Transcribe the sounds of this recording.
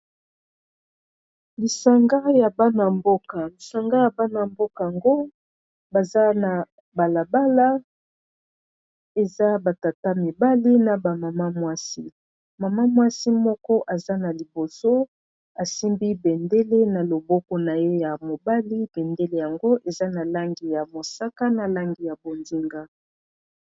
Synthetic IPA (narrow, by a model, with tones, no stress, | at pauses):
li˨sa˨ŋɡa˦ja˨ba˦na˨mbo˦ka˨li˨sa˨ŋɡa˦ja˨ba˦na˨mbo˦ka˨a˨ŋɡo˦ | ba˨za˦na˨ | ba˨la˨ba˦la˦ | e˨za˦ba˨ta˨ta˦mi˨ba˦li˦na˨ba˨ma˨ma˦mwa˦si˦ | ma˨ma˦mwa˦si˦mɔ˦kɔ˦ʔa˨za˦na˨li˨bo˨so˦ | a˨si˦mbi˦bɛ˨nde˦le˦na˨lo˨bɔ˦kɔ˨na˨je˦ja˨mo˨ba˦li˦b̥ɛ˨nde˦le˦ja˨ŋɡo˦ʔe˨za˦na˨la˦ŋɡi˨ja˨mo˨sa˦ka˦na˨la˦ŋɡi˨ja˨bo˨ndi˦ŋɡa˦